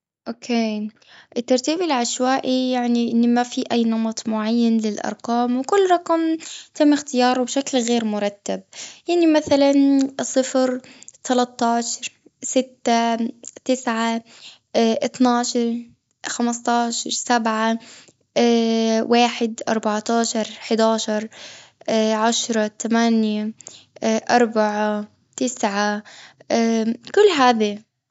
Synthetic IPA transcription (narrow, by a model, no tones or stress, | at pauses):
ʔokʰeː | ʔɪt̪ːɑɾˤt̪iːbɪlʕaʃwaːʔijaʕniʔɪnːmafiʔajːnɑmɑt̪ˤmʊʕajːanlɪlʔɑ̰ɾˤqɑːmwkʊlːɾˤɑqɑmt̪amːɪxt̪ɪjɑːɾˤwbʃaklɣeːɾmʊɾˤɑt̪ːab̚jaʕnimaθalansˤɨfɾt̪ʰalat̪ˤːɑːʃɑɾˤ | sɪt̪ːat̪ɪsʕa | ʔɪt̪naːʃɑɾˤ | xamst̪ˤɑːʃɑɾˤsabʕa | waːħɪd̪ʔɑ̰ɾˤbaʕt̪ɑːʃɑɾˤħd̪aːʃɑɾˤ | ʕaʃɾˤɑt̪amaːnja | ʔɑɾˤbaʕa | t̪ɪsʕa | kʊlːɦaːði